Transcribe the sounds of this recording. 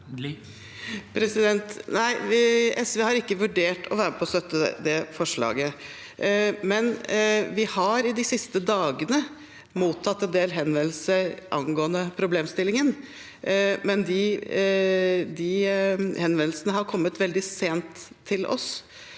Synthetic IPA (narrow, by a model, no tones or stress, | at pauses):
pʰɾɛsɪd̪ɛnt̪næɪɛsʋeːhɑɾɪkːəʋʉɖeːʈʰɔʋæːɾəpʰɔst̪œt̪ːəd̪ɛfɔʂɭɑ̰ːɡə | mɛnʋɪhɑɾɪd̪ɪsɪst̪əd̪ɑːɡənə | muːt̪ʰːɑt̪ːɛnd̪eːlɦɛnʋɛnl̩səɾʔɑnɡoːənəpʰɾʊbleːmst̪ɪlːɪŋən | mɛnd̪ɪ | d̪ɪhɛnʋɛnl̩sənəɦɑɾkʰɔmːət̪ʋɛld̪ɪseːnt̪ʰː | ɪlʔɔ̰s